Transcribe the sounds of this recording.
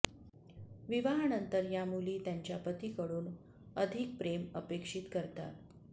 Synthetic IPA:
ʋiʋaɦanənt̪əɾjamuliːt̪jaɲt͡ɕjapət̪iːkəɽuːn | əd̪ʱik̚pɾeməpekʂit̪kəɾt̪a̰t̪

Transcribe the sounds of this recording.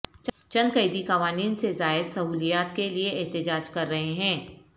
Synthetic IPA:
t͡ʃ | t͡ʃɐ̃nkɐɪd̪ikɐʋaːniːnsezaːɪd̪sɐɦuːlijaːt̪kelieʔɛːt̪ɪd͡ʒaːd͡ʒkɐɾːɐɦeɦɛ̃ː

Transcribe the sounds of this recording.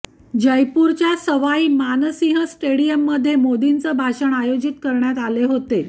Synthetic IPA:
d͡ʑəjpuɾt͡ɕjasəʋaimanəsĩɦəsʈeɽijəmːəd̪ʱːjemod̪int͡səbʱaɕəɳajod͡ʑit̪kəɾɳjat̪aleɦot̪e

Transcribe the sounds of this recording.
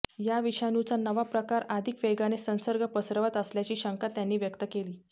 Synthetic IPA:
jaʋiɕanut͡sanəʋapɾəkaɾad̪ʱikʋeɡanesə̃nsəɾɡʱəpəsɾəʋət̪əsljat͡ɕiːɕəŋkat̪janːiːʋjəkt̪əkeliː

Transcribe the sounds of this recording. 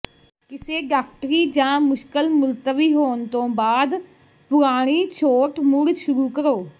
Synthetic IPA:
kɪseːɖaːk̚ʈəɾid͡ʒãːmʊʃkəlmʊlt̪əʋiːɦoːnt̪õːbaːd̪ | pʊɾaːɽ̃it͡ʃʰoːʈmʊɾd͡ʒʃʊɾukəɾoː

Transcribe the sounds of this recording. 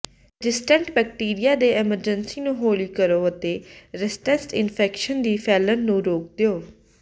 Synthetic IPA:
ɖɪsʈə̃ɳʈbɛːk̚ʈiːɾijaːd̪eːɛməɾd͡ʒənsiːnũːɦoːliːkəɾoːət̪eːɾɪsʈɛsʈɪnpʰɛːkʃənd̪iːpʰɛːlənːũːɾoːk̚d̪eoː

